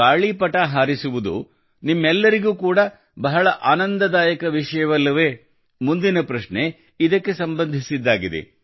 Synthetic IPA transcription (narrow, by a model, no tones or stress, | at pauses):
aːɭipɐʈaːɦaːɾisuʋud̪ṵ | nimːɛlːɐɾiɡuːkuːɽɐ | bɐɦɐɭɐʔaːnɐnd̪ɐd̪aːjɐkɐʋiʂɐjɐʋɐlːɐʋe̞ː | mund̪inɐpɾɐʂɳe | id̪ɐkːe̞sɐmbɐnd̪ʱisid̪ːaːɡid̪ḛ